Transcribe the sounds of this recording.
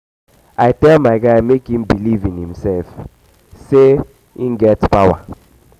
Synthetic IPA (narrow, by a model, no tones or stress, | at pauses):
aɪtɛlmaɪɡaɪmekhĩm̩bilivĩnhĩmsɛlf | se | in̩ɡɛtpawa